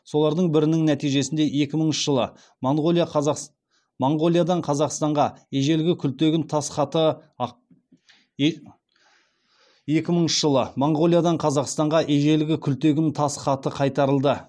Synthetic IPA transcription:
so̞lˠɑɾd̪əɴbɪɾɪnɪŋnæt̪ijʒe̞sɪnd̪e̞je̞kʲɪməɴʃəʒ̥əlˠə̰ | moɴʁoij | moɴʁo̞lˠijad̪ɑɴqʰɑzɑqst̪ɑɴʁɑeʒe̞lɡʲɪkʲʰʏlt̪e̞ɡʲɪnt̪ʰɑsχɑt̪ə | je̞kʲɪməɴnʃəʒəlˠəmoɴʁo̞lˠijad̪ɑɴqʰɑzɑqst̪ɑɴʁɑʔeʒe̞lɪɡʲɪkʲʰʏlt̪e̞ɡʲɪnt̪ʰɑsχɑt̪əqʰɑjt̪ɑɾəlˠd̪ə

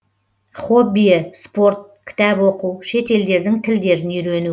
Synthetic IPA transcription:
χo̞bijəspo̞ɾt̪̚kʲʰɪ̥t̪æbwo̞quwʃe̞t̪e̞ld̪e̞ɾd̪ɪŋt̪ʰɪld̪e̞ɾɪnʏjɾe̞nu

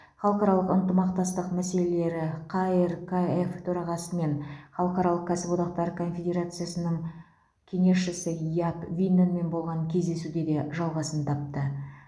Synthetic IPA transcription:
χɑlˠəqɑɾɑlˠəqənt̪əmɑqt̪ɑst̪əqmæse̞le̞le̞ɾɪqʰaeɾkʰaeft̪ʰɵɾɑʁɑsəme̞nχɑlˠəqɑɾɑlˠəqkʲʰæsɪpod̪ɑq̚t̪ɑɾkʰo̞nfʲed̪ʲe̞ɾat̪sɨjasənəɴ | kʲʰe̞ŋe̞ʃɪsɪjapvinːenme̞nbo̞lˠʁɑŋkʲʰe̞zd̪e̞sud̪e̞d̪e̞ʒɑlˠʁɑsənt̪ʰɑp̚t̪ə

